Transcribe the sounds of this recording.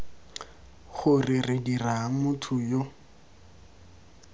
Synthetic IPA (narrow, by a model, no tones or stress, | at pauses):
χʊrɪrɪdiramʊtʰʊjo